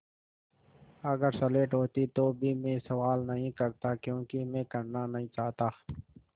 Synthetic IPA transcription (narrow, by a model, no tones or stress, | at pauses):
ɐɡəɾsɐleːʈɦoːt̪it̪obʱimẽːsɐʋaːlnɐɦĩkɐɾt̪akjõːkimẽːkɐɾnanɐɦĩt͡ʃaːɦt̪aː